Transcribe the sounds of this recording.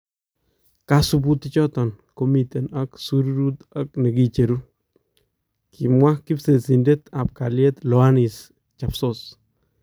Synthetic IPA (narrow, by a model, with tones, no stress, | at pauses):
ka˦su˦b̬u˦t̪i˦t͡ʃɔ˦tɔ˨n | ko˦mi˨t̪e˨na˦ksu˦ɾuɾu˦t̪a˦k̚nɛ˨ki˨t͡ʃe˨ɾu˦ | kʰi˨mwa˦ki˦pse˨si˨nde˦ta˨p̚ka˨lje˦t̪lɔ˨a˦ni˨s | t͡ʃa˨pso˦s